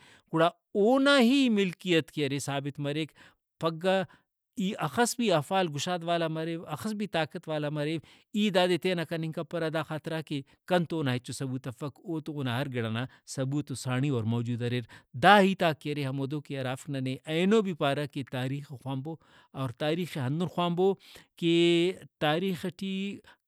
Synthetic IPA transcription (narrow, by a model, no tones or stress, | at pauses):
kuɽa | oːnaɦimɪlkijɐt̪kijɐɾesaːbɪt̪mɐɾeːk | pɐɡːaː | iːʔɐxɐsbiɐfaːlɡʊʃaːd̪ʋaːlamɐɾeːʋɐxəsbʱit̪aːkɐt̪ʋaːlamɐɾeː | iːd̪aːd̪et̪eːnakɐnĩŋkapɐɾɐd̪aːxaːt̪ɾaːke | kɐnt̪oːnaet͡ʃosɐbuːt̪ɐfɐkoːt̪oːnaɦɐɾɡɪɽaːna | sɐbuːt̪osaːɳ̃iɔːɾmɔːd͡ʒuːd̪ɐɾeɾd̪aːɦiːt̪aːkːeɐɾeɦɐmoːd̪oːkeɐɾaːfknɐneʔɐːnoːbipaːɾaket̪aːɾiːxexwaːmbo | ɔːɾt̪aːɾiːxeɦɐ̃nd̪unxwaːmboːket̪aːɾiːxɐʈi